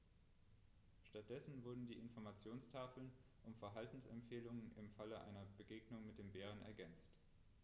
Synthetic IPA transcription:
ʃtat̚d̥ɛsn̩vʊɐdn̩diːʔɪnfɔɐmat͡sjoːnstʰaːfl̩n | ʔʊmfɛɐɦaltn̩sɛmpfeːlʊŋənɪmfaləʔa̰ɪnɐbəɡeːɡnʊŋmɪt̚d̥eːmbeːʁ̞ənɛ̰ɐɡɛnt͡st

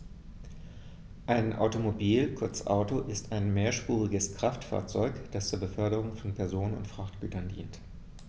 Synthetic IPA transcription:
ʔaɪnʔa̰ʊtomobiːlkʰʊɐt͡sʔa̰ʊtoʔɪstaɪnmeːɐʃpuːʁɪɡəskʁ̥aftfa̰ːɐt͡sɔʏkd̥ast͡suːɐbəfœɐɾəʁʊŋfɔnpʰɛɐzoːnənʊ̰ntfʁ̥aχtɡ̥y̰ːtɐndḭːnt

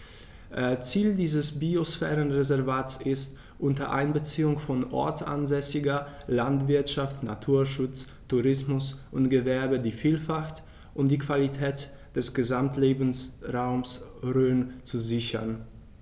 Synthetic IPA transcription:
ʔt͡siːldiːzəsbiosfɛːʁənʁezɛɐvaːtsɪst | ʔʊntɐʔa̰ɪnbət͡siːʊŋfɔnʔɔ̰ɐt͡sʔa̰nzɛsɪɡɐlantv̥ɪɐtʃaftna̰tʰuːɐʃʊt͡s | tʰuʁɪsmʊsʔʊntɡ̥əvɛɐbədiːfiːlfaxt | ʔʊntd̥iːkv̥alitʰɛːt | d̥ɛsɡ̥əzamtʰleːbn̩sʁaʊmsʁøːnt͡suzɪçɐ̰n

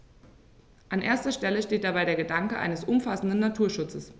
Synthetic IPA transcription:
ʔanʔeːɐstɐʃtɛləʃteːt̚d̥abaɪɾeːɐɡədaŋkəʔa̰ɪnəsʔʊmfasn̩dn̩natʰuːɐʃʊt͡səs

